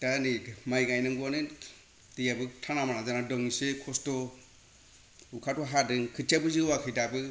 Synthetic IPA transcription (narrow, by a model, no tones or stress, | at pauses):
tanimajɡajnaŋɡuanɯ | dijabɯtʰanamanazanadɔŋisekʰɔstɔ | ukʰataɦadɯnkʰɯt͡ʃabɯziwakʰɯjdabɯ